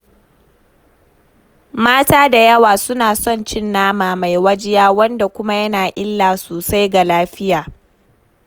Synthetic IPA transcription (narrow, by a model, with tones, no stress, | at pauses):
maː˦taː˦da˨jɐ˦waː˨sʊ˦naː˨sɔ˦˨nt͡ʃɪ˦nːaː˦maː˨ma˨jwɐ˦d͡ʒɪ˦jaː˦wɐ˦nda˨kʷʊ˦ma˦jɐ˦naː˨ʔɪ˦lːaː˨soː˨sa˦jɡa˨laː˦ɸɪ˦jaː˨